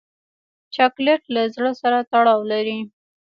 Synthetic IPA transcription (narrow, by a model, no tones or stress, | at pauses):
t͡ʃɑkleʈlazɽəsaɾat̪aɽɑwlaɾi